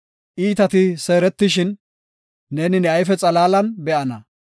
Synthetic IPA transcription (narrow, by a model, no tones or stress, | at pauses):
ʔiːt̪ɐt̪ɪseːɾɛt̪ːɪʃɪnː | eːnɪnɛɐjfɛt͡sʼɐlaːlɐnbɛʔɐnɐ